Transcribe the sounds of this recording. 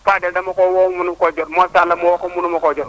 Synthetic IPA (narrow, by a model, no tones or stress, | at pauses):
padɛdamɔkɔwɔmunukɔd͡ʒɔdmɔsalamɔwɔkɔmunumɔkɔd͡ʒɔ